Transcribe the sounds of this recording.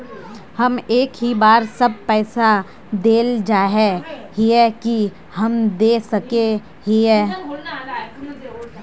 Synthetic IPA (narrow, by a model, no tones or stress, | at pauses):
hɐmeːkɦibaːɾsɐb̚pɛːsa | d̪eːld͡ʒaːɦɛhiɛki | hɐmd̪eːsɐke | ɦiɦɛː